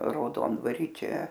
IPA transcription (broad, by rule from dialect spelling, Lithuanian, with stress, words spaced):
rɐʊˈdoːndʋɐrʲiː ˈt͡ʃʲɛ